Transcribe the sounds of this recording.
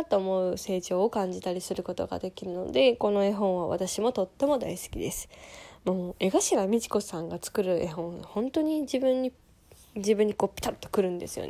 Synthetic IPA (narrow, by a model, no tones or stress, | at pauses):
t̪ːo̞ːmo̞ɯse̞ːʑo̞ːkãɲ̟d͡ʑit̪aɾʲisɨɾɯ̟ko̞t̪o̞̰ɡa̰d̪e̞kʲiɾɯ̟no̞̰d̪e̞ko̞no̞e̞ɦõ̞ɰ̃β̞aβa̰t̪aɕimo̞t̪o̞t̪ːe̞mo̞d̪aisɨ̥kʲid̪e̞sɨ̥moe̞ɡaɕiɡamʲiʑi̥ko̞sãŋɡat͡sɨ̥kɯ̟ɾɯ̟ʔe̞ɦõ̞ɰhõ̞nt̪o̞ɲ̟id͡ʑibɯ̟̃ɲ̟ːi | d͡ʑibɯ̃ɲ̟ːiko̞ːpʲːi̥t̪at̪ːo̥kɯ̟ɾɯ̟̃nd̪e̞̰sɨjo̰n